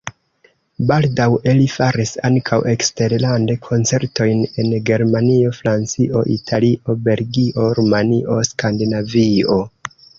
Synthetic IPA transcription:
baldawelifaɾisaŋkʰawʔe̞kste̞ɾlande̞kʰo̞nt͡se̞ɾto̞jne̞nɡe̞ɾmanio̞fɾant͡siʔo̞̰ʔḭtʰaliʔo̞be̞lɡiʔo̞ɾumaniʔo̞skandinavio̞

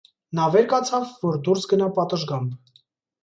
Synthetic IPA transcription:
nɑvɛɾkɑt͡sʰɑvːɔɾd̪uɾsɡənɑpɑt̪əʒɡɑmb

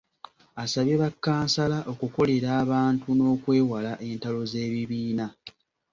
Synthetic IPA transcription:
asaβjeβakːaːnsalaʔo̞kuko̞le̞ɾaːβaːntuno̞ːkwe̞ːwalaʔe̞ːntalo̞ze̞ːβiβiːna

